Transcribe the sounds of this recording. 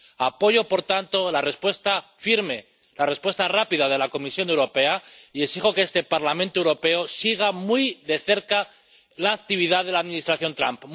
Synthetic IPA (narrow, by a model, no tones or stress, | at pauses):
apo̞ʝo̞po̞ɾt̪ant̪o̞lare̞spwe̞st̪afiɾme̞ | lare̞spwe̞st̪arapiðað̞e̞lako̞misjo̞ne̞wɾo̞pe̞aiesixo̞keest̪e̞paɾlamẽnt̪oe̞wɾo̞pe̞o̞siɣ̞amwujðe̞θe̞ɾka | laːkt̪iβ̞iðaðe̞laðmĩnist̪ɾaθjo̞nt̪ɾa̰mp